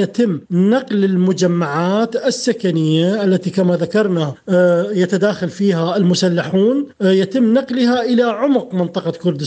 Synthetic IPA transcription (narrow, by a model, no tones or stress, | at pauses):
jat̪ɪmːnɑqlɪlmʊd͡ʒamːaʕaːt̪ɪsːakanɪjːaʔalːat̪ikamaðakɑɾˤnajat̪ad̪aːxalfiːɦaɪlmʊsalːaħuːnjat̪ɪmːnɑqlɦaʔɪlaʕʊmqmɪnt̪ˤɑqɑkʊɾd̪ɪ